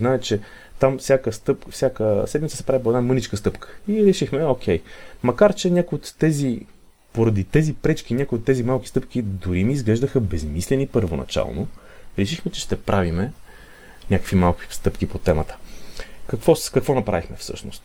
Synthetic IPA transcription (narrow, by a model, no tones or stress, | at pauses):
znaɛt͡ʃɛ | t̪amfsʲakəst̪ɤpkfsʲakəsɛd̪mitsəsɛ̥pɾavip̬oɛd̪namɤnit͡ʃkəst̪ɤpkə̥iɾɛʃixmɛok̟ʰʲɛjmɐkaɾt͡ʃɛnʲakʊjot̪ːɛzi | poɾɐd̪it̪ɛzipɾɛt͡ʃk̟ʲinʲakʊjot̪ːɛzimalˠk̟i̥st̪ɤpkʲid̪uɾimiːzɡlɛʒd̪əxəbɛzmislɛnipəɾvonɐ̰t͡ʃa̰lˠno | ɾɛʃixmɛt͡ʃɛ̥ʃt̪ɛpɾʔavimɛ | nʲakə̥kvimalˠki̥st̪ɤpk̟ipot̪ɛmət̪ə̥kɐkvɔskɐkvɔnɐpɾa̰vixmɛfsɤ̰ʃno̰st̪